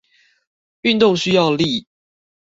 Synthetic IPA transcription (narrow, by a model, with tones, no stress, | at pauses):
y˥˨nt̪ʊ˥˨ŋɕy˥jɑ˥˨ʊli˥˨